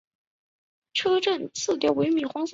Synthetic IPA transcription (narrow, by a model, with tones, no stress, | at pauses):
ʈ͡ʂʰɤ˥ʈ͡ʂə˥˩nt͡s̩ʰ˥˩t̪jɛ˨˩we˧˥ɪmi˥˩xwɑ˥ŋs